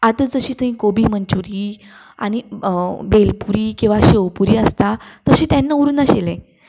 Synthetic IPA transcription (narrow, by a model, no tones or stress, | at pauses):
at̪əd͡zəɕiːt̪əɦĩkobiːmənt͡ɕuɾiː | a̰ñibelpuɾiːkĩw̃ʋaɕewpuɾiːəst̪at̪əɕiːt̪janːauɾunaɕelẽ